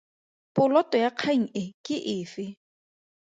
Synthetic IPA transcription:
pʊlɔtʼɔjaq͡χʰaŋ̩ɪkʼɪʔɪːfɪ

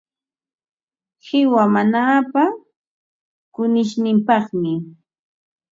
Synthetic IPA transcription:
hɪwamanaːpa | kʊnɪʃnɪmpɑχmɪ

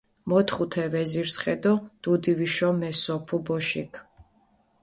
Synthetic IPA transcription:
mɔt̪ʰχut̪ʰɛvɛziɾsχɛd̪ɔd̪̥ud̪iviʃɔmɛsɔpʰubɔʃḭkʰ

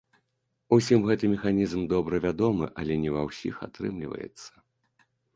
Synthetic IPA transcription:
usʲimɣɛt̪ɨmʲɛxanʲizmd̪ɔbɾɐvʲad̪ɔmɨʔɐlʲɛnʲɛvɐwsʲḭxa̰t̪ɾɨ̰mlʲḭvɐ̰jɛ̰t̪sːɐ̥

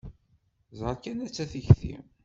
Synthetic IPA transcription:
zˤəɾˤkːænæt͡sːæθiçθḭm

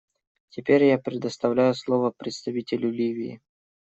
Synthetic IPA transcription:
tʲɪpʲeɾʲjapɾʲɪd̪əst̪ɐvlʲæjʊslˠovəpɾʲɪt̪st̪ɐvʲitʲɪlʲʊlʲivʲɪɪ̰

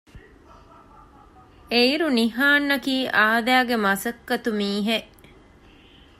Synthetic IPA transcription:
eiɾuniɦaːnːɐkiːʔaːd̪æːɡemɐsɐkːɐt̪umiːɦeʔ

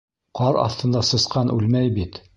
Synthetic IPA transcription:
qʰɑɾɑ̰θt̪ɤ̆nd̪ɑsɤ̆sqɑnʔʉlmæjbit̪

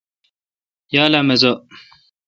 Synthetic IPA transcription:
jaːlamezo

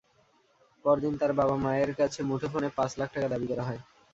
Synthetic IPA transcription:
pɔɾd̪int̪aɾbabamaeɾkat͡ɕʰemuʈʰofonepãt͡ɕlak̚ʰʈakad̪abikɔɾaɦɔe

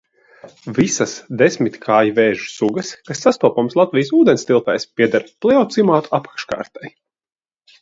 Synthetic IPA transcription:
visasd̪esmit̪ʲkʰaːjvɛːʒu̥suɡɐskasːast̪uɔpɔmslˠat̪vʲijsuːd̪ɛnst̪ilˠp̪ɛjspiɛd̪aɾplˠɛɔt̪simaːt̪u̥apḁkʃka̰ːɾt̪aj

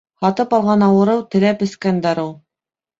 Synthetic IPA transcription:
hɑt̪ɤpɑlˠʁɑnɑwɤ̆ɾɤwt̪ɘ̆læpɘ̆skænd̪ɑɾɤlˠ

